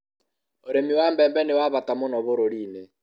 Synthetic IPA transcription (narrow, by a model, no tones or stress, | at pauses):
oɾemiwaːmbɛːmbɛnewaβatamonɔβoɾoɾiːne